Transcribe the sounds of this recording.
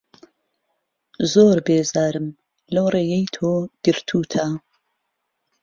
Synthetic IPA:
zoːɾbeːzaːɾɨm | lɐwreːjejt̪ʰoːɡ̥ɨɾt̪ʰuːt̪ʰa

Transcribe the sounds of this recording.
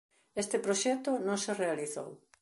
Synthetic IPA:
est̪ɪpɾoʃɛt̪ʊnõŋserealiθo̰w

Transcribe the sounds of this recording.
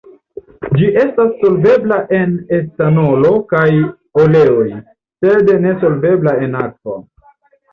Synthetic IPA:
d͡ʒiʔe̞stasːo̞lve̞blaʔe̞ne̞stano̞lo̞kaj | ole̞oj | sedene̞so̞lve̞blae̞nak̚vo̰

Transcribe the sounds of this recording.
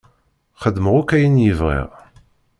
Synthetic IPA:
χəd̪məʁʊkæjənjəvʁḭʁ

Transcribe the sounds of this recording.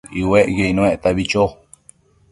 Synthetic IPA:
iweʔjeinũẽʔt̪aβit͡ʃo

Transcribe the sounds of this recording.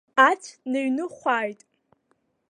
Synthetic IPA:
at͡sʷʰnaɥnɨχʷajtʼ

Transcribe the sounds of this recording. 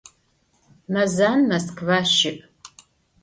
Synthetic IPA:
mɐzaːnmɐskʰvaːʃɪʔ

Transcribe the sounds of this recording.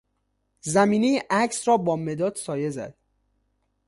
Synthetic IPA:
zæmiːnejeʔæcʰsrɒːbɒːme̞d̪ɒːd̪̥sɒːje̞zæ̰d̪̥

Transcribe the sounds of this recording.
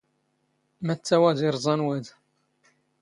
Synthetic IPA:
mæt͡sːæwæðiɾˤzˤɑnwæd̪

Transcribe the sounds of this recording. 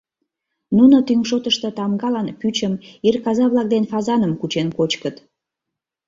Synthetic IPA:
nunot̪yŋʃot̪əʃt̪ət̪ɑmɡɑlɑnpyt͡ɕəmirkɑzɑβlɑk̚d̪enfɑzɑnəmkut͡ɕenkot͡ɕkət̪

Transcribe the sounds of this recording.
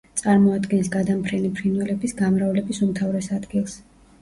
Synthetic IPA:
t̪sʼaɾmɔad̪ɡɛnsɡad̪ampʰɾɛnipʰɾinwɛlɛbisɡamɾavlɛbisumt̪ʰavɾɛsad̪ɡilˠs

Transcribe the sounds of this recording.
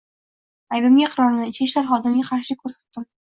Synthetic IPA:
ajbɪmɡʲaqʰɨɾɒɾnɪɪt͡ʃkʲɪʃlaɾχɒd̪ɪmɡʲaqʰɑɾʃɪkʰɵɾsḁt̪ːɪm

